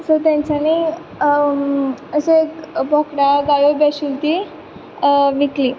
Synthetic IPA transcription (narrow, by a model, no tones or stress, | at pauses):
səɾt̪jãɲt͡ɕani | əɕẽekbʱɔkɽaɡajobɛɕult̪i | ʋikliː